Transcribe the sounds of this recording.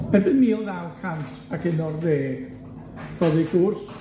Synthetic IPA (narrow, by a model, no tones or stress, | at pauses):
b̥ɛbɪnmiːlˠnawkʰantʰ | aɡɪnɔrðeː | r̥ɔðiɡ̥ʊrs